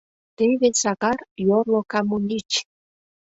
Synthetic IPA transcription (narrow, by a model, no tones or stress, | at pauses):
t̪eβesɑɣɑrjorlokɑmunʲit͡ʃ